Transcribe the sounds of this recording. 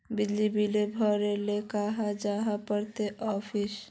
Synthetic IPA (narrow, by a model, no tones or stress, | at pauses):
bid̪libilebʱɔɾelekaɦad͡ʒaɦapəɾt̪eʔɔpʰis